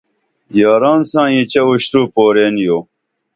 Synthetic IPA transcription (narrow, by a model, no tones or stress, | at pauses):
jaːɾaːnsãːit͡ɕɐuɕʈuːpoːɾeːnjoː